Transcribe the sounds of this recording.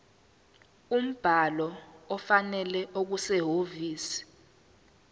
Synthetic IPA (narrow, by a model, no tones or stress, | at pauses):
um̩b̥ʱalɔɔfanɛlɛʔok̬usɛɦoviːsi̥